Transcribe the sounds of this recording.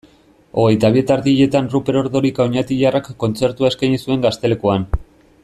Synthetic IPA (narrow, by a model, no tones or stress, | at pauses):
o̞ɣ̞e̞jt̪aβie̞t̪aɾðiiʎe̞t̪anrupe̞ɾo̞ɾðo̞ɾikaoɲat̪iʎarakːo̞nt͡se̞ɾt̪uae̞skajɲisue̞ŋɡast̪e̞le̞koan